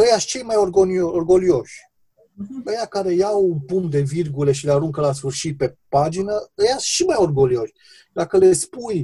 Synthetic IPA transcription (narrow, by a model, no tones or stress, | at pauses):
əjast͡ʃe̞jmajorɡonioorɡo̞lio̞ʃʲ | əjakaɾe̞jawupumd̪e̞virɡule̞ʃileaɾuŋkəlas̬fɨrʃit̪̚pe̞pad͡ʒinəəjasʃimajo̞rɡo̞lio̞ʃʲ | d̪akəle̞spuj